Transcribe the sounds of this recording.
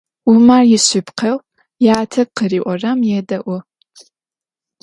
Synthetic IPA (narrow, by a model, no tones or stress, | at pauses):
ʊmaːrjɪɕɪpqʰɐw | jaːtʰɐqəriːʔʷɔrɐmjɛdɐʔʷɔ